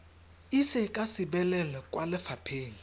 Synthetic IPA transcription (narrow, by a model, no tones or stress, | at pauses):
isɛkʼasiɓɛlɛlɛkʼwalɛfapʰeːni